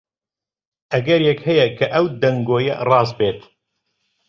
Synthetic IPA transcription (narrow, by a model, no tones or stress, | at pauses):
ʔɐɡɐɾjɛkhɛjɛkʰɐʔɐwd̪ɐŋɡoːjɐ̰rɑːzbeːt̪